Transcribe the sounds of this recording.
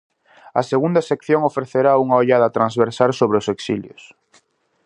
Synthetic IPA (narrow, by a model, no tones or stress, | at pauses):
ɐ̰seɣund̪asekθjoŋofɾeθeɾauŋaoʎaðɐt̪ɾanzβeɾsaɾsoβɾeoseksiljʊ̰s